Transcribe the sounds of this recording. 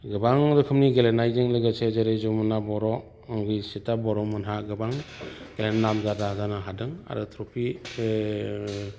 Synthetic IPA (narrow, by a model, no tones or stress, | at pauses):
ɡɯbaŋɾɯkʰɯmniɡelenajzɯŋlɯɡɯsʰezeɾezɔmɯnabɔɾɔ | aŋɡɯsetabɔɾɔmɯnɦaɡɯbaŋɡ̥elennamzadazanaɦadɯŋa̰ɾɯtʰɾɔpʰi